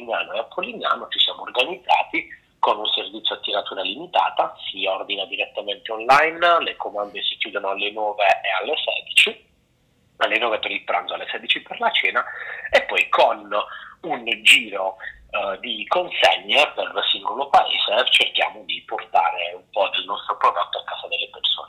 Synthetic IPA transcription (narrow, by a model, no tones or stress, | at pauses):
linjaːnoeapʰːolinja̰ːnot͡ʃisjaːmoːrɡanid̪zːa̰ːt̪i | konunservit̪sjoat̪ːiɾat̪uːɾalimit̪a̰ːt̪asiɔrd̪inad̪iɾet̪ːament̪eonlajnlekomand̪esi̥kjuːd̪onoalːenɔːveealːesɛ̰ːd̪it͡ʃi | alːenɔːvet̪ːonipːɾanzoalːesɛːd̪it͡ʃiperlat͡ʃɛːnaepːɔjkʰonund͡ʒiːɾo | d̪ikonseɲːepersiŋɡolopaḛːz̥et͡ʃerk̟ja̰ːmod̪iport̪a̰ːɾeumpɔd̪elnɔst̪ɾopɾod̪ot̪ːoakːaːzad̪elːeperso̰ːne